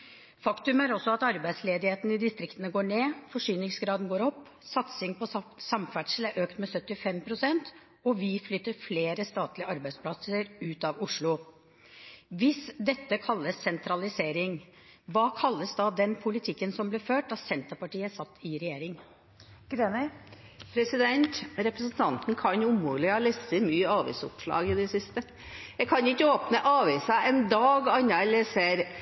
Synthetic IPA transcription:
fɑkt̪ʉmæɾɔsːɔɑt̪ɑɾbæɪd̪sleːd̪ɪheːt̪ənəɪd̪ɪst̪ɾɪkt̪ənəɡoːɳeːfɔʂyːnɪŋsɡɾɑːd̪n̩ɡoːɾɔpː | sɑt̪sɪŋpɔsɑmfæʈʂl̩æɾʔøːkt̪mɛsœt̪ːɪfɛmpʰɾʊsɛnt̪ | ɔʋɪflʏt̪ːəɾfleːɾəst̪ɑːt̪lɪəɑɾbæɪspʰlɑsəɾʉːt̪ɑʋʊʂlʊ | ʋɪsd̪ɛt̪ːəkʰɑlːəsːɛnt̪ʰɾɑlɪseːɾɪŋ | ʋɑːkʰɑlːəsd̪ɑːd̪ɛnpʰʊlɪt̪ʰɪkːənsɔmblɛːføːʈɑsɛnt̪əɾpɑʈiːəsɑt̪ːɪɾɛjeːɾɪŋ | ɡ̥ɾenɪpʰɾɛsɪd̪ɛnt̪ɾɛpɾəsn̩t̪ʰɑnt̪n̩kʰɑnjʊmuːlɪɑːlɛsəmyːəɑːʋḭːsʊ̰pʂɭɑ̰ːɡɪd̪ɛsɪst̪ə | jɛkʰɑnjʊɪkːəoːpnəʔɑːʋiːsɑɛnd̪ɑːɡɑnːɑɛlɛseːɾ

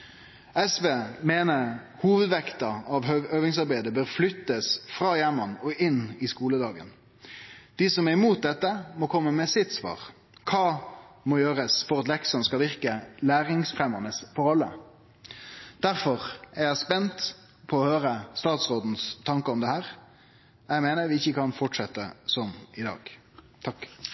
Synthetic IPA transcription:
ɛsʋeːmeːnə | huːʋəd̪ʋɛkt̪ɑɑʋøːʋɪŋsɑʁbæɪd̪əbøːʁflʏt̪ːəsfɾʁɑːjæmɑnɔʔɪnɪskuːləd̪ɑːɡə̰n | d̪̥iːsɔmæʁɪmuːt̪̚d̪ɛt̪ːəmɔkʰɔmːəmɛsɪt̪sʋɑ̰ːʁ | kʰɑːmɔjøːɾəsfɔɾɑt̪lɛksɔnskɑʋɪʁkəlæːɾɪŋsfɾɛmənəsfɔɾɑlːə̰ | d̪̥æɾfɔʁæɾjæɪspɛnt̪ | pʰɔːhøːɾəst̪ɑːt̪sʁoːd̪n̩st̪ʰɑŋkəɔmd̪ɛhæːɾ | jæɪmeːnəɾʋɪɪçːəkʰɑnfɔʈʂɛt̪ːəsɔmɪd̪ɑ̰ːɡ | t̪ʰɑkː

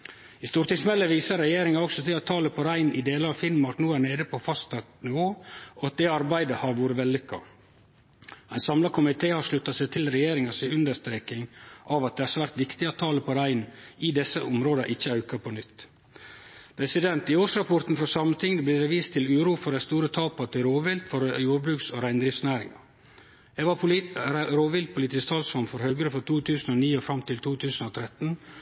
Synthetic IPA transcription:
ɪst̪uːɾt̪ɪŋsmɛlːəʋiːsəɾɛjeːɾɪŋɑɔksɔt̪ʰɪlɑt̪ʰɑːləpʰɔɾæɪnʔɪd̪eːlɑɾɑʋfɪnmɑɾʈnuːæːɳeːd̪əpʰɔfɑst̪ɑt̪nɪʋoːɔɑt̪̚d̪eːɑɾbæɪd̪əhɑɾʋuːɾəʋɛlːʏkːɑ̰ | æɪnsɑmlɑkʰʊmɪt̪ʰeːhɑɾʂlʉt̪ːɑsæɪt̪ʰɪlɾɛjeːɾɪŋɑsɪʉnd̪əʂt̪ɾeːkɪŋʔɑʋɑt̪̚d̪ɛæɾsʋæːɾt̪ʋɪkt̪ɪɑt̪ʰɑːləpʰɔɾæɪnɪd̪ɛsːəʔʊmɾoːd̪ɑʔɪçːəɑʉkɑpʰɔnʏt̪ː | pʰɾɛsɪd̪ɛnt̪ɪoːʂɾɑpʰɔɾt̪n̩fɔsɑmt̪ʰɪŋd̪əblɪːɾɛʋiːst̪ʰɪlʉːɾuːfɔɾæst̪uːɾət̪ʰɑːpɑt̪ʰɪlɾoːʋɪlt̪fɔɾjuːɾbɾʉːksoɾæɪnd̪ɾɪfsnæːɾɪ̰ŋɑ̰ | ɛʋɑpɾɾoːʋɪlt̪̚pʰʊliːt̪ɪst̪ʰɑːlsfɑmfɔɾhœːɡəɾəfɔɾt̪ʰuːt̪ʰʉːsn̩oːniːɔfɾɑmt̪ʰɪlt̪ʰuːt̪ʰʉːsn̩oːt̪ʰɾɛt̪n̩

